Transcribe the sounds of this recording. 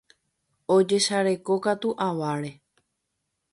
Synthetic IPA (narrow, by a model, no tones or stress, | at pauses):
o̞d͡ʒe̞ʃaɾe̞ko̞kat̪uʔaʋaɾe̞